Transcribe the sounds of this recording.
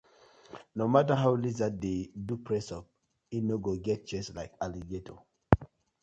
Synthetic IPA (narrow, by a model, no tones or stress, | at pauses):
nomataɦaʊlizadedupʰɹɛsɔp̚ | inoɡoɡɛt̚d͡ʒɛslaɪkaliɡetʰo